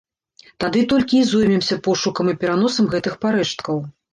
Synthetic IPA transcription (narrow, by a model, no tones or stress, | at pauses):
t̪ad̪ɨt̪ɔlʲkʲiːzɔjmʲɛmsʲɐpɔʂukɐmipʲɛɾan̪ɔsɐmɣɛt̪ɨxpaɾɛʂt̪kɐw